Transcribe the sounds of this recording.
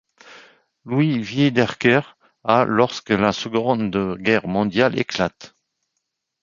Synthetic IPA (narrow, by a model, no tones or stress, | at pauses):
lwivjed̪ɛʁkœʁ | alɔʁskəlasəɡɔ̃nd̪əɡɛʁmɔ̃d̪jalḛklat̪